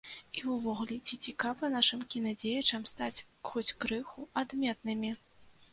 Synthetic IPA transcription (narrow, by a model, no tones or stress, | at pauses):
iwvɔɣlʲɛt͡sʲit͡sʲikavɐnaʂɨmkʲinɐd͡zʲejɐt͡ʂɐmst̪at͡sʲ | xɔt͡sʲkɾɨxuad̪mʲɛt̪̚nɨmʲi